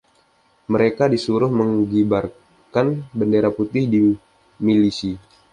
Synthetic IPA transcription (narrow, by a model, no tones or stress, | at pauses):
məɾekadisuɾʊhməŋɡibar | kanbəndeɾaput̪ɪhdi | milisi